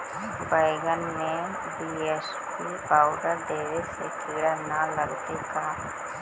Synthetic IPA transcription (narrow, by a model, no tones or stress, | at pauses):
bəɪɡənmẽ | bies | pipaːʊɖəɾd̪eːdesekɪɽanaləɡt̪eka